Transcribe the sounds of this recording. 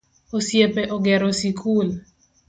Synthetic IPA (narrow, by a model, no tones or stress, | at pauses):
osjepɛʔɔɡɛɾosikʰul